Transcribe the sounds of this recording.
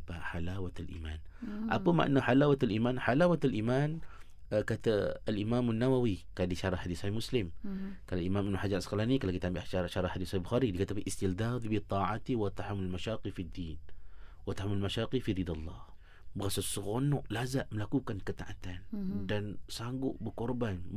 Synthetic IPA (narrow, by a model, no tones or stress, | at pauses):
baħalaːwat̪alʔḭːmaːnʔa̰pama̰ʔa̰nːaħalaːwat̪alʔimaːnħalaːwat̪alʔiːmaːn | kat̪abalʔimaːmanːawawikadiʃɑɾˤɑħad̪isˤɑhihmʊslɪmkalalʔimamʔanuħad͡ʒanasqlanikalakit̪ambiʔaʃaɾʃaɾˤɑħad̪isˤahibʊxaːɾidikat̪abfiʔɪst̪ɪld̪aːd̪ˤbit̪ˤɑːʕat̪iwat̪aħamalmaʃaːqifid̪ːiːnwat̪aħamalmaʃaːqifiðid̪alˤːɑ̰h | bəɣasasəɣonʊʔlazaʔməlakukankət̪a̰ʔat̪andansaŋɡʊʔbəkʊɾban